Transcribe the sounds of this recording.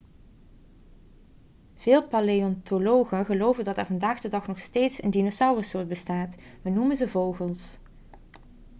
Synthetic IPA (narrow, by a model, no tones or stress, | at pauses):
v̥ɪːlˠpɑleɔntolowχəɣəlowvəndɑtɛɹvɑndaːχdədɑχnɔχsteːtsə̰ndinosʌwrəsʊːɹt̚bəstaːtʋənumənzəvowχəlˠs